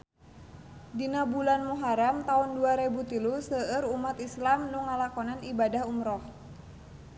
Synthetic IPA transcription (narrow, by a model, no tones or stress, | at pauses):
dinabulanmuɦaɾamt̪aunduaɾebut̪ilusəəɾumat̪islamnuŋːalakɔnanibadahumɾɔh